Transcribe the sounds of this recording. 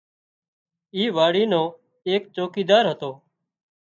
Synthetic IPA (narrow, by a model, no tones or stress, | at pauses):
iːʋaːɽiːnõː | eːk̚t͡ʃoːkiːd̪aːɾɦət̪oː